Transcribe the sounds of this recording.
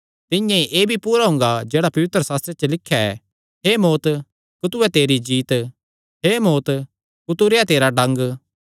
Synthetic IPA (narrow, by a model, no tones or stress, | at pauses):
t̪ɪjẽʔeːbʱipuːɾaɦʊ̃ŋɡad͡ʒeːɽapɐʋɪt̪ɾəsaːst̪ɾet͡ʃəlɪkʰjaɛ̰ | ɦeːmoːt̪ | kʊt̪ʊɛt̪eːɾid͡ʒiːt̪ | ɦeːmoːt̪ | kʊt̪ʊɾeat̪eːɾaɖɐ̃ŋɡ